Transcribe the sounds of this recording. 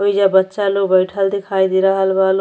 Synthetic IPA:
ojzabʌtːsalobʌjʈʰald̪ekʰajd̪iɾʌɦalbal

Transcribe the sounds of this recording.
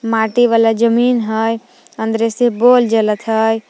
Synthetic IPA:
maːʈiʋalad͡ʒəmiːnɦəj | ə̃nd̪ɾeseboːld͡ʒələt̪ʰɦəj

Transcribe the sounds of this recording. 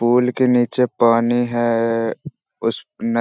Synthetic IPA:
puːlkeniːt͡ʃepaːniɦɛ | ʊsnɐ

